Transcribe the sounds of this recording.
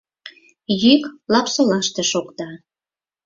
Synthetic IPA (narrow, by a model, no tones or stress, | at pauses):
jyklɑpsolɑʃt̪ĕʃokt̪ɑ